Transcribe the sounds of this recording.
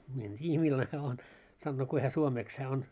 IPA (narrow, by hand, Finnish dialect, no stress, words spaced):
mie en tʲiːjæ milːɑne on sɑnːoː kui hæ suomeːks hæː on